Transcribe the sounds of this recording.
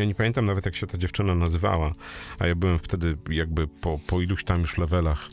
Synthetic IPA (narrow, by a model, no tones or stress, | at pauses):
jaɲɛpamʲɛnt̪amnavɛt̪jakɕɛt̪ad͡ʑɛft͡ʂɘnanazɘva̰waa̰jabɘwɛmft̪ɛd̪ɘjaɡ̚bɘpɔpɔiluɕt̪amjuʂlɛvɛlax